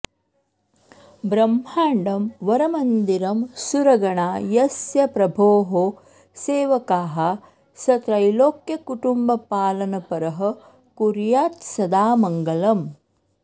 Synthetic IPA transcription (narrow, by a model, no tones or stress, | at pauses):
bɾɐmhaːɳɖɐmʋɐɾɐmɐnd̪iɾɐmsuɾɐɡɐɳaːjɐsjɐpɾɐbʱoːɦoː | seːʋɐkaːɦɐ | sɐt̪ɾɐjloːkjɐkuʈumbɐpaːlɐnɐpɐɾɐɦɐ̆ | kuɾjaːt̪sɐd̪aːmɐŋɡɐlɐm